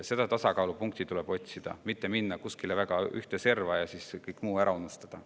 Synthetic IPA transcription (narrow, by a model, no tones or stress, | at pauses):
se̞d̪̥ɑt̪ɑsɑkɑulupuŋk̚t̪it̪uleb̥o̞t̪ʲsid̪̥ɑ̰mit̪ːe̞minːɑkuskilevæɡ̥ɑyht̪ese̞rvɑjɑsiskɤjkːˑmuːæɾʔɑunːust̪ɑd̪̥ɑ